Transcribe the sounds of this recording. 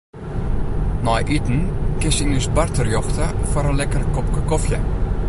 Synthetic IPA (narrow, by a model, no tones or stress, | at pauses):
nɔjʔytn̩kɪnsənysbartərjɔxtəfɔɾənlɛkərkɔp̚kəkɔfjə